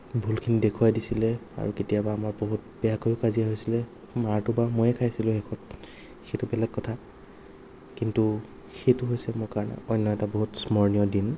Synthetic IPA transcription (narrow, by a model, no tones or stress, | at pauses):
bʱulkʰinidekʰuwadisilɛa̰ɹuketijabaːmaɹboɦut̚b̥ɛjakojʊkazijaɦojsilɛ | maɹtʊbamojɛkʰajsilʊ̃xɛkʰɔt̚ | xejtʊbɛlɛɡ̚ːɔtʰa | kintu | xejtʊɦojsɛmokaɹnɛ̰ɔjnːɔɛtaboɦutsmɔɹnijɔdin